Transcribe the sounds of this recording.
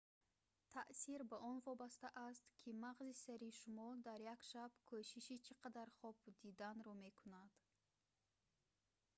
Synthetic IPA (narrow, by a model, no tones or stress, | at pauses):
t̪ʰaʔsiɾbaʔɔnvɔbast̪aʔast̪kʰimaʁzisaɾiʃumɔd̪aɾjakʃabkʰɔʃiʃit͡ʃʰiqad̪aɾχɔbd̪id̪anɾɔmekʰunad̪̥